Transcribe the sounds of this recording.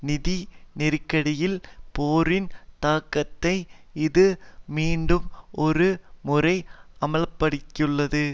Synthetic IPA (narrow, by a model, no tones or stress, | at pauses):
nɪðinɪɾɯkːɐɽɪjɪlpoːɾɪnt̪aːkːɐt̪ːɐɪɪðɯmiːɳɖɯmʔɔɾɯmʊrɐɪɐmɐɭpːɐɽɪkːɯɭːɐðɯ